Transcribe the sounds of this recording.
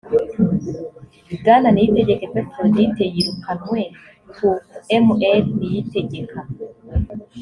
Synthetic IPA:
iɡananijiteɟekepetɾonitejiɾukʰanwe | kuɛmuʔɛlnijiteɟekʰa

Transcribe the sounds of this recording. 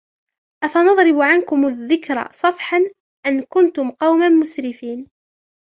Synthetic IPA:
ʔafanɑðˤɾɪbʕankʊmʊðːɪkɾˤa̰sˤɑfħan | ʔankʊnt̪ʊmqɑwmanmʊsɾɪfiːn

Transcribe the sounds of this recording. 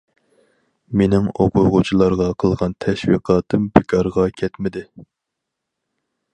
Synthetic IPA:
menɪŋoqʰʊʁut͡ʃʰilˠɑɾʁɑqʰəlˠʁɑnt̪ʰɛʃwḭqʰɑːt̪ʰɨmbɪkʰɑɾʁɑkʲʰɛt̪mɪd̪ɪ

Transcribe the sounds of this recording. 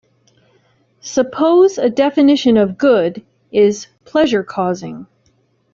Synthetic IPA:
səpʰoʊzɨdɛfɨnɪʃɨ̃nʌvɡʊɾ | ɪz̥pʰl̥ɛʒə˞kʰɔzɪ̃ŋ

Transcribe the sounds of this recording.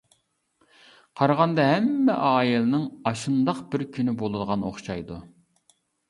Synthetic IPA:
qʰɑɾʁɑnd̪ɑɦɛmːɛʔɑːjilɨnɨŋɑʃund̪ɑqbɪɾkʲʰynɪbolˠɨd̪əʁɑno̰χʃɑjd̪u

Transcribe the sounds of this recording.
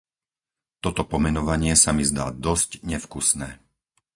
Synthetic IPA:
t̪ɔt̪ɔpɔmɛnɔʋaɲɪɛsamizd̪a̰ːd̪ɔscɲɛfkusnɛː

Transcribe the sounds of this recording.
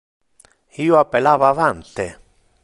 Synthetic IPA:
iːoapːelaːvaːvant̪ɪ

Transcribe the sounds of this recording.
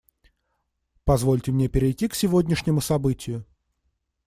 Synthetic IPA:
pɐzvo̞lʲtʲɪmnʲe̞pʲɪɾʲɪjtʲːiksʲɪvo̞dʲnʲɪʂnʲɪmʊsɐbɨtʲɪjʊ

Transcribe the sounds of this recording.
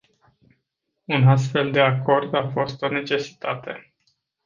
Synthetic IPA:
unas̬t̪fe̞ld̪e̞ako̞rd̪afo̞st̪o̞ne̞t͡ʃe̞si̥t̪at̪e̞̰

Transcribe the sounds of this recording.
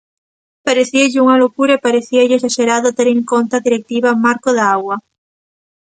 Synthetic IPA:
paɾeθiaʎeuŋalokuɾaipaɾeθiaʎesaʃeɾaðot̪eɾeŋkont̪aðiɾek̚t̪iβamaɾkoðaaɣwa

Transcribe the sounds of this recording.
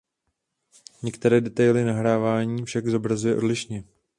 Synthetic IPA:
ɲɛkt̪ɛɾɛːdɛt̪ajlɪnaɦɾaːvaːɲiːfʃaɡzo̞bɾazujɛʔo̞dlɪʃɲɛ

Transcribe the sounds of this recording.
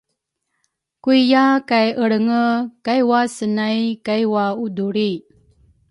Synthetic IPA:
kuijakajʔəɽəŋəkajwasənajkajwauduɾi

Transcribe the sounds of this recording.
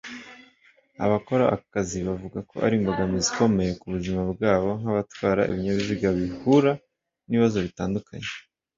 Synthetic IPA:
a̰βako̞ɾaːkaziβavuɡako̞̰ʔa̰ɾiːŋɡoɡamiziko̞me̞je̞kuβuzimabɡaːβo̞ŋ̥haβatwaːɾa̰ḭβiɲaβiziɡaβihuɾa | niiβazo̞βitaːndukʰaɲe

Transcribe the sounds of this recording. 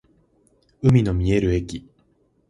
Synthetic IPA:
ɯ̟mʲino̞mʲieɾɯ̟e̞kʲi

